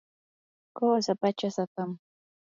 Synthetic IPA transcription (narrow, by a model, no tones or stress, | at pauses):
koːsapat͡ʃasat̪am